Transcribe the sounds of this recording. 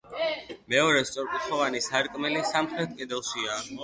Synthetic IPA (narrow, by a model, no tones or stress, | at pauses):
mɛɔɾɛst̪sʼɔɾpʼit̪χɔvanisaɾkʼmɛlisamχɾɛt̪̚ʰkʼɛd̪ɛlˠʃia